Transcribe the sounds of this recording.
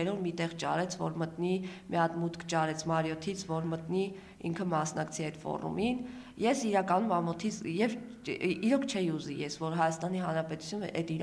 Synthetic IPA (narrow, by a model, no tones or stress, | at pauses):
ɛɾɔvmit̪ɛʁt͡ʃɑ̰ɾɛt͡sʰvɔ̰ɾmət̪nimjɑt̪mut̪kʰt͡ʃɑɾɛt͡sʰmɑɾjɔt̪ʰit͡sʰvɔɾmət̪ni | ḭŋkʰəmɑsnɑkt͡sʰiɛt̪fɔ̰rṵmin | jɛsiɾɑkɑnumɑmɔt̪ʰit͡sʰjɛv | iɾɔkʰt͡ʃʰɛjuzijɛsvɔɾɦɑjɑst̪ɑniɦɑnɾɑpɛt̪u̥t͡sʰjunəʔɛt̪iɾ